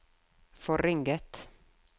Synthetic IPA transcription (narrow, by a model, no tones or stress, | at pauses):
fɔɾɪŋɡət̪